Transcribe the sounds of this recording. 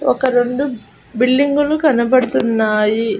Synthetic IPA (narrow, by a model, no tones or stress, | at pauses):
ɔkɐɾe̞ɳɖu | biɭːiŋɡulukɐnɐpɐɽut̪unːaːji